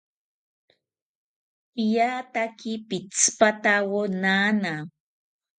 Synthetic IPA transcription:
pijaːt̪akipɪt͡spat̪awonaːna

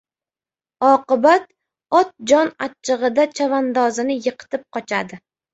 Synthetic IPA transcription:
ɒqɨbat̪ | ɒt̪̚d͡ʒɒnat͡ʃʰːɨʁɨd̪at͡ʃʰavand̪ɒzɪnɪjɨqʰɨ̥t̪ɪp̚qʰɒt͡ʃʰad̪ɪ

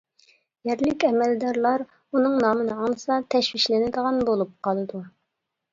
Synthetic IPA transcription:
jɛɾlɪkʲɛmɛld̪ɑɾlˠɑɾ | unɨŋnɑːmɨnɨɑlˠɨsɑt̪ʰɛʃwiʃlɪnɪd̪əʁɑnbolˠup̚qʰɑlˠɨd̪u

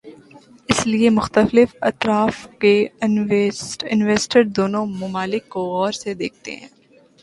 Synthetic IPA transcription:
ɪsliemʊxt̪əflɪfɐt̪ɾaːfke | ʈɪnʋeːsʈəɾd̪oːnõmʊmaːlɪkːoɔːɾsed̪eːk̚ʰt̪ḛɦɛ̰̃ː

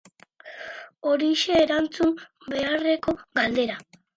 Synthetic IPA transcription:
o̞ɾiʃe̞ːɾant͡sum | be̞are̞ko̞ɣald̪e̞ɾa

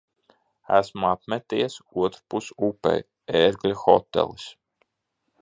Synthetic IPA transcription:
æsmuapmɛt̪ijsuɔt̪ɾupusupɛ̰j | eɾɡlʲixɔt̪ːɛ̰lˠis

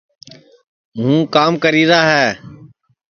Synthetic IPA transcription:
ɦũːkaːmkəɾiːɾaːɦɛː

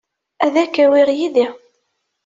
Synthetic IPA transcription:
æðækːæwɪʁjiði

